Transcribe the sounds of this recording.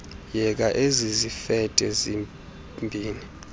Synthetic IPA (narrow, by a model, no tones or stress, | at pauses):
jɛk̬ʼaʔezizifɛtʼɛzi | mbʱiːni